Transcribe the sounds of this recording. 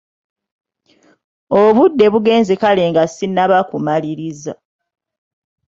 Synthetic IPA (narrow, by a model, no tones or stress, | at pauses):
oβudːe̞βuɡe̞ːnzekale̞ːŋɡasinːaβakumaliɾiza